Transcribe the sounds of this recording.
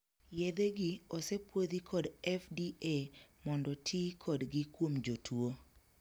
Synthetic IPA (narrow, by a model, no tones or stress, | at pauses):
jed̪eɡiɔsepwod̪ikʰɔdɛfdiemɔndɔtʰɪkʰɔdɡɪkwomd͡ʒotʰwo